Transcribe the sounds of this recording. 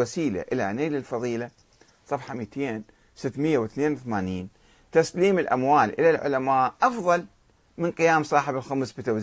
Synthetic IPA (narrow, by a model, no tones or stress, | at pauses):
asiːla̰ʔɪla̰neːlɪlfɑðˤiːla | sˤɑfħamiːt̪ʰeːn | sɪt̪ːmɪjːawɪθneːnwθamaːniːn | t̪asliːmɪlʔa̰mwaːlʔɪlalʕʊ̰lamaːʔʔɑfðˤɑl | mɪnqɪjaːmsˤɑːħɪbɪlxamsbɪt̪awz